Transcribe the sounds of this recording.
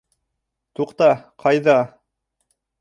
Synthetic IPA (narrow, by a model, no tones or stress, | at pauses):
t̪uqt̪ɑqʰɑjðɑ